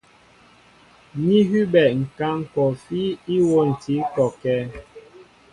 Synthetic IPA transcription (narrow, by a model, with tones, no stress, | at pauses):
ɲi˦ɦy˦bɛ˨ŋ̩˨ka˦ŋ˨kɔ˨fi˦i˦wo˦n̩˨ti˨˦kɔ˨kɛ˦